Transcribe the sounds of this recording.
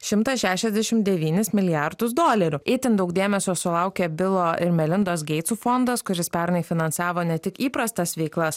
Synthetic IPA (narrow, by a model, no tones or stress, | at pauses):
ʃʲɪmt̪ɐsʃʲæːʃʲɛzʲd̪ʲɛʃʲɪmd̪ʲɛʋʲiːnʲɪsmʲɪlʲɪjæɾd̪ʊsd̪oːlʲɛɾʲʊɪt̪ʲɪnd̪ɐʊkd̪ʲeːmʲɛsʲoːsʊlˠɐʊkʲɛːbʲɪlˠoːɪɾmʲɛlʲɪnd̪oːs̬ɡʲɛɪt̪suːfond̪ɐskʊɾʲɪspʲɛɾnɐɪfʲɪnɐnsɑːʋoːnʲɛt̪ʲɪkiːpɾɐst̪ɐsʋʲɛɪklˠɐs